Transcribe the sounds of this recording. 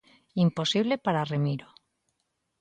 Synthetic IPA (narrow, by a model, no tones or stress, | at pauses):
impo̞siβ̞le̞paɾaremiɾo